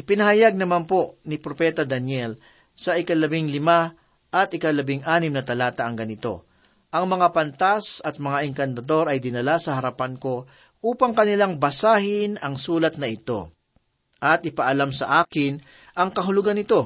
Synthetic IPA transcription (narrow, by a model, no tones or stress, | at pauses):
ʔɪpɪnɐhɐjaɡ̚nɐmanpo̞nɪpɾopɛt̪ɐd̪ɐnjɛl | sɐʔɪkɐlɐbɪŋlɪma | ʔɐt̪ɪkɐlɐbɪŋʔaːnɪmnɐt̪ɐlaːt̪ɐʔɐŋɡɐnɪt̪o̞̰ | ʔɐŋmɐŋapɐnt̪asɐt̪̚mɐŋaʔɛŋkɐnt̪ɐd̪o̞ɾɐjd̪ɪnɐlasɐhɐɾɐpanko̞ | ʔuːpɐŋkɐnɪlaŋbɐsaːhɪnɐŋsuːlɐt̪̚nɐʔɪt̪o̞̰ | ʔɐt̪ɪpɐʔɐlamsɐʔaːkɪn | ʔɐŋkɐɦʊlʊɡanɪt̪o̞